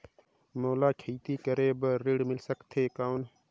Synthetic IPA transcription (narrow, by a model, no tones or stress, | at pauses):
moːlaːkʰiːt̪iːkəɾebəɾɪɽmɪlsəkt̪ʰeːkaʊn